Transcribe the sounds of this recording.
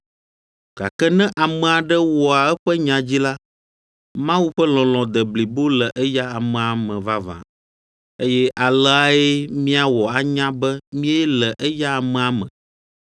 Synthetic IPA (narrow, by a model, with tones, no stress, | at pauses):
ɡ̥a̰˨kɛ˦nɛ̃˦ʔa˨mɛ̃˨a˨ɖɛ˦wɔ˨a˨ɛ˦ɸɛ˦ɲã˨d͡ʑi˦la˦ | mã˦wu˦ɸɛ˦lɔ̃˨lɔ̃˨d̪ɛ˨bli˨bo˦lɛ˨ʔɛ˦ja˦a˨mɛ̃˨a˨mɛ̃˨va˦vã̰˨ | e˦jɛ˦ʔa˨lɛ˦a˦e˦mĩ˦a˦wɔ˨a˨ɲã˦bɛ˦mĩ˦ɛ˦lɛ˨ʔɛ˦ja˦a˨mɛ̃˨a˨mɛ̰̃˨